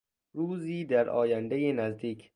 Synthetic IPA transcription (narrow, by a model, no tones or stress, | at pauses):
ɾuːziːd̪æɾʔɒ̰ːjænd̪ejenæzd̪iːkʰ